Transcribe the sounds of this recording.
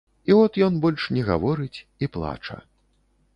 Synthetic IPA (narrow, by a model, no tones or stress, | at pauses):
iɔt̪jɔnbɔlʲʂnʲɛɣa̰vɔɾɨt͡sʲiplˠa̰t͡ʂɐ̰